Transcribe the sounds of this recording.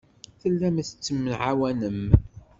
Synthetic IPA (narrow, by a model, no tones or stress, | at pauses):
θəlːæmæθət͡sːəmːənʕawænəm